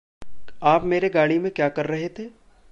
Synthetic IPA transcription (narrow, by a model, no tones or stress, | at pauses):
aːpmeːɾeɡaːɽimẽkjaːkɐɾːɐɦet̪ʰeː